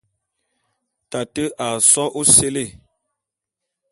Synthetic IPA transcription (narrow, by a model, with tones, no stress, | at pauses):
ta˨tə˦ʔa˨sɔ˦ʔu˦se˦le˦˨